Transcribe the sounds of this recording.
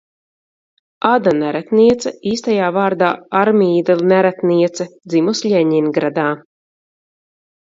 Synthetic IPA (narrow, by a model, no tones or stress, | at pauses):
ad̪anæɾæt̪niɛt̪sɐiːst̪ajaːvaːɾd̪aːaɾmiːd̪alnæɾæt̪niɛt̪sɐd̪zimusʎʲɛɲinɡɾad̪aː